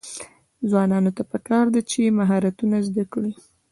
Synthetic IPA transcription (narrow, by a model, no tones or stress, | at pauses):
zwɑnɑnot̪apəkɑɾd̪at͡ʃemaɦɑɾat̪unazd̪akɽi